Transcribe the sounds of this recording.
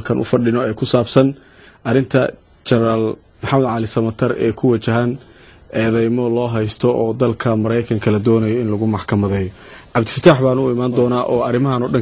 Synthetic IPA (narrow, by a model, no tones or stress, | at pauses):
kʰɐnʔʊ̰fɐɖɪnɔɛːkʰʊsaːbsɐn | ʔɐɾɪnt̪ʰɐ | t͡ʃɐɾaːl | mʊħɑmɐd̪ʕɑlɪsɐmɐt̪ʰɐrʔɛ̰ːkʰʊwɐt͡ʃɐɦan | ʔɛːðɛjmɔlɔːɦɛjst̪ʰɔʔɔːd̪ɐlkʰɐmɐɾɛjkʰɐŋkʰɐlɐd̪ɔːnɐjɔɪnlɐɣʊmɑħkʰɐmɐðɛːjɔʕɑbd̪ɪ̥fɐt̪ʰaːħbaːnʊɪmaːnd̪ɔːnaːʔɔːɐɾɪmɐɦɐnɔɖɐŋ